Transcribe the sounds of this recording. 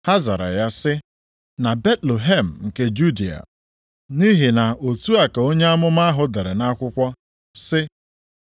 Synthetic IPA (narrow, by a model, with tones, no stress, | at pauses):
ha˦za̰˨ɾa̰˨ja˦sɪ˦ | na˨be˦tle˨ɦe˦˨m̩˨ŋ̩˨ke˦d͡ʒu˦di˨a̰˨ | ni˦ɦi˨na˨o˨tu˦a˨ka˨o˦ɲe˦a˦mʊ˦ma˦ɦʊ˨de˨ɾe˨na˦kʷʊ˦kʷɔ˦ | sɪ˦